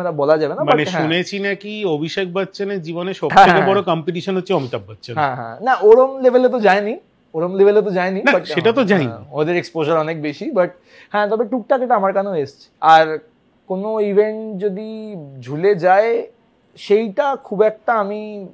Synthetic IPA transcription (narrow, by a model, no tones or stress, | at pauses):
tabɔlad͡ʑabenamaaneʃɦũnet͡ɕʰinakiobʱiʃek̚ʰbatːɕʰaneɾd͡ʑiboneʃɔbɦɛ̃ekẽbɔɽokɔmpiʈiʃonotːɕʰeɔmit̪abːatːʃʰanãɦɛ̰̃naʔoɾomlebʱelet̪̬od͡ʑaeni | oɾomlebʱelet̪̬od͡ʑaeninabaʈʃeʈat̪̬od͡ʑajniod̪eɾekspoʃaɾɔnek̚beʃibaʈ̚ | hɛ̃t̪ɔbeʈuk̚ʈakeʈaamaɾkanoest͡ɕʰe̥aɾ | konoibʱeɳʈd͡ʑod̪id͡ʑʱuled͡ʑae | ʃejʈakʰubɛk̚ʈaami